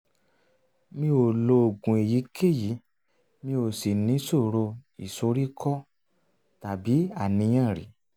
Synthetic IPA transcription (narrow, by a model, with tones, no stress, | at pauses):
mĩ˧˦o˨lo˧o˨ɡũ˨e˨ji˨˦kʰe˦˨ji˨˦ | mĩ˧o˨si˨nĩ˨˦so˦˨ɾo˧i˨so˧˦ɾi˦kʰɔ˦ | ta˨bi˨˦a˦˨nĩ˧˦jã˦˨ɾḭ˨˦